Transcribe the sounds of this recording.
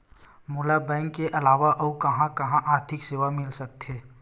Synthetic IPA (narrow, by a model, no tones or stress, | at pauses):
mʊːlabɛ̃ːŋkːeʔɐlaːʋaʔɔukɐɦãkɐɦãʔaːɾt̪ʰɪkseːʋamɪlsɐk̚t̪ɦeː